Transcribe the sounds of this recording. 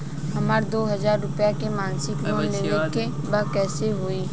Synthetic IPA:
ɦɐmaːɾd̪oːɦɐzaːɾːʊpjakemãːnsɪkloːnleːneke | bakɛːseɦoːiː

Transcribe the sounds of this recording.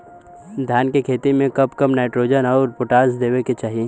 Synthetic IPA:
d̪ʱjaːnkekʰeːt̪imẽkɐpkɐmnaːɪʈɾoːd͡ʒənɔːɾpʊʈaːzd̪eːʋeket͡ʃaːɦie

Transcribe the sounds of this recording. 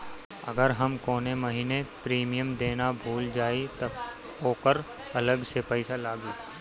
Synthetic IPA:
ɐ̰ɡəɾɦɐmkoːnemɐɦiːnepɾiːmijəmd̪eːnabʱuːld͡ʒaːit̪ɐ | oːkəɾ | ɐləɡsepəɪsalaːɡiː

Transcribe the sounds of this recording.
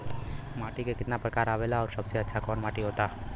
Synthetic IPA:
maʈikekɪt̪napɾəkaɾaʋelaɔːɾsəbt͡ʃʰeətːʃʰakɔnmaʈiɦot̪a

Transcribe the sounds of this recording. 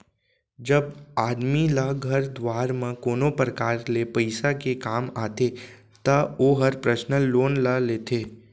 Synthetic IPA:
d͡ʒɐbaːd̪milaɡʱɐɾd̪waːɾmẽkoːnopɾəkaːɾlepəɪsakekaːmaːt̪e | t̪ɐoːɦɐɾpɾəʃnəloːnlaleːt̪ʰeː

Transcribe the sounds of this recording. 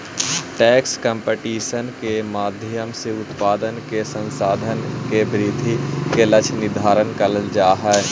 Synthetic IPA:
ʈɛːkskə̃mpeʈiːʃənkemaːd̪ʱjəmseʊt̪paːd̪ənkesə̃nsaːd̪ʱənkebɾɪd̪ʱikelət͡ʃʰnɪd̪ʱaːɾənkələld͡ʒaːɦɛɛ

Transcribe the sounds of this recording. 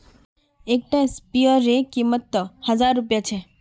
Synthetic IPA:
ek̚ʈãspijəɾekimːət̪ːhəzaɾːupjat͡ʃʰe

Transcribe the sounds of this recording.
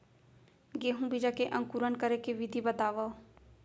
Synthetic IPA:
ɡeːɦũbʱid͡ʒakeʔɐ̃ŋkuɾənkəɾekeʋɪd̪ʱibət̪aːʋa

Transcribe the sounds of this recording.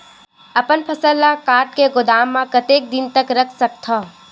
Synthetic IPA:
ɐpənpʰɐsəlːakaːɾʈkeɡʊd̪aːmːãkɐt̪eːk̚d̪ɪnt̪ɐkɾɐkʰsɐk̚t̪ʰaː

